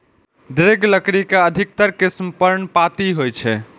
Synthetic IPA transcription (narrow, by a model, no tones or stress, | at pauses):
d̪ɾeɡləkɾikeəd̪ʱik̚t̪əɾkismpəɾɳpat̪iɦojt͡ʃʰɛ